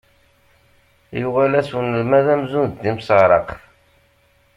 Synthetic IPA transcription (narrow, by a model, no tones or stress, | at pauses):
juʁælæswnəlmæðæmzunðd̪imsəʁɾˤɑqəf